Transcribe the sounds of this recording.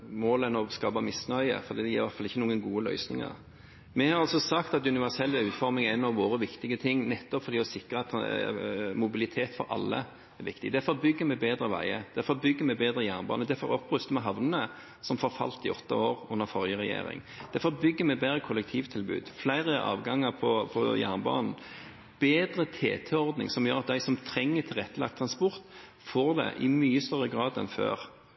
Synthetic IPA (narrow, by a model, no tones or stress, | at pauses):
moːlɛnɔskɑːbɑmɪsnœʏə̰fɔɾd̪iːd̪ɛjɪːɾʋæʁt̪fɑlɪçːənuːɡənɡuːəlœ̰ʏsnɪ̰ŋə̰ɾ | mɛhɑɾɑlsɔsɑkt̪ɑt̪ʉnɪʋæʁsɛlːʉːt̪fɔɾmɪŋæɪnɑʋʋoːɾəʋɪkt̪ɪɡət̪ʰɪŋːnɛt̪ːɔpfɔɾd̪iːɔsɪkɾəɑt̪ | mʊbɪlɪt̪ʰeːt̪fɔ̰ɾʔɑ̰lːə̰ | ɛʋɪkt̪ɪɡd̪æfɔɾbʏɡːəmɛbeːd̪ɾəʋæ̰ɪəd̪̥æfɔbʏɡːəmɛbeːd̪ɾəjænbɑ̰nəd̪æfɔ̰ɾɔpːʁʉst̪əmɛɦɑʋnənə | sɔmfoːɾfɑ̰lt̪ɪɔt̪ːə̰oːɾʉnːəɾfɔʁjəʁɛjḛːɾɪ̰ŋ | d̪̥æfɔbʏɡːəmɛbeːd̪ɾəkʰʊlːɛk̚t̪ʰiːʋt̪ʰɪlbʉ̰ːd̪flæɪɾəʔɑ̰ːʋɡɑŋːəɾpʰɔpʰɔjæ̰ʁnbɑ̰ːnn̩ | b̥eːd̪ɾət̪ʰḛːt̪ʰɛɔɾd̪nɪ̰ŋsɔmjøːɾɑt̪̚d̪æɪsɔmt̪ʰɾɛŋːət̪ʰɪlʁɛt̪ːəlɑ̰k̚t̪ʰɾɑnspɔʁt̪ | foːɾd̪ɛ̰ʔɪmyːəst̪œʁːəɡʁɑːd̪ɛ̰nfø̰ːɾ